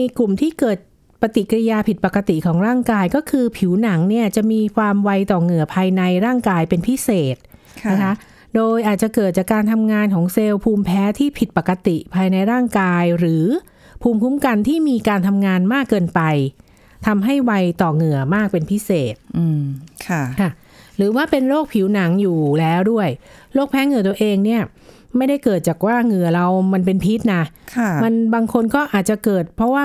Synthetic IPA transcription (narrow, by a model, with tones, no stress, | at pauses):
jklu˨˩mt̪ʰiː˥˩kɤː˨˩t̪̚ | pa˧t̪i˨˩ka˧ɾi˧jaː˧pʰi˨˩t̪̚pa˨˩kːa˧t̪i˨˩kʰɔː˩˦ŋɾaː˥˩ŋkaː˧jkɔː˥˩kʰɯː˧pʰi˩˦wna˩˦ŋni˥˩ɐt͡ɕa˨˩ʔmiː˧kʰwaː˧mwa˧jt̪ɔː˨˩ŋɯ˨˩ɐpʰaː˧jna˧jɾaː˥˩ŋkaː˧jpe˧npʰi˦˥seː˨˩t̪̚ | na˦˥kʰa˦˥ʔ | doː˧jʔaː˨˩t̪̚t͡ɕa˨˩kɤː˨˩t̪̚t͡ɕaː˨˩kːaː˧nt̪ʰa˧mŋaː˧nkʰɔː˩˦ŋse˧wpʰuː˧mpʰɛː˦˥t̪ʰiː˥˩pʰi˨˩t̪̚pa˨˩kːa˧t̪i˨˩pʰaː˧jna˧jɾaː˥˩ŋkaː˧jɾɯː˩˦ | pʰuː˧mpʰu˦˥mka˧nt̪ʰiː˥˩miː˧kaː˧nt̪ʰa˧mŋaː˧nmaː˥˩kːɤː˧npa˧j | t̪ʰa˧mɦa˥˩jwa˧jt̪ɔː˨˩ŋɯ˨˩ɐəmaː˥˩k̚pe˧npʰi˦˥seː˨˩t̪̚ɯː˧kʰa˥˩kʰa˥˩ | ɾɯː˩˦waː˥˩pe˧nɾoː˥˩k̚pʰi˩˦wna˩˦ŋjuː˨˩lɛː˦˥wdu˥˩əj | ɾoː˥˩k̚pʰɛː˦˥ŋɯ˨˩ət̪u˧ɐʔeː˧ŋni˥˩ɐ | ma˥˩jda˥˩jkɤː˨˩t̪̚t͡ɕaː˨˩k̚waː˥˩ŋɯ˨˩ɐɾa˧wma˧npe˧npʰi˦˥t̪̚na˦˥kʰa˧˩ma˧nbaː˧ŋkʰo˧nkɔː˥˩ʔaː˨˩t̪̚t͡ɕa˨˩kɤː˨˩t̪̚pʰɾɔ˦˥waː˥˩